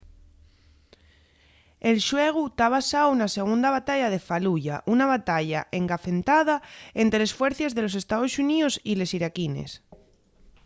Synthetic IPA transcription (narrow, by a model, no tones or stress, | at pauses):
elʃweɣ̞ut̪aβasawunase̞ɣ̞und̪aβat̪aʎaðe̞faluʝaʔunaβat̪aʎaʔe̞ŋɡafe̞nt̪að̞ae̞nt̪ɾele̞sfwe̞ɾθezðe̞lo̞s̬e̞st̪aðo̞suniosile̞siɾakine̞̰s